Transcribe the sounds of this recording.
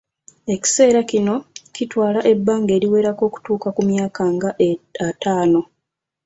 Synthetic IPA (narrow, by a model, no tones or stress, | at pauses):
e̞ci̥se̞ːɾacino̞citwaːlaʔe̞bːaːŋɡe̞ːɾiwe̞ːɾako̞ːku̥tuːkakumjaːkaŋɡaataːno̞